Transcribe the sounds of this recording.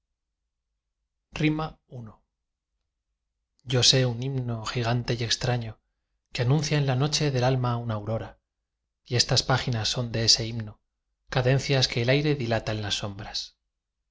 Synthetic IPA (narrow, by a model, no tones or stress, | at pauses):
rima | uno | ɟ͡ʝo̞se̞unimno̞xiɣ̞ant̪e̞je̞kst̪ɾaɲo̞ | keanũn̟θjaenlano̞t͡ʃe̞ðe̞lalmaunawɾo̞ɾa | ie̞st̪aspaxinasːo̞nd̪e̞ese̞imno | kaðe̞n̟θjaske̞ːlajɾe̞ðilat̪aenlasːo̞mbɾas